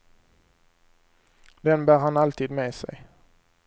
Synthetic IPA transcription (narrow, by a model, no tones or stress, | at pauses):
d̪ɛnbæːɾhanalt̪ʰiːd̪meːsɛ̰j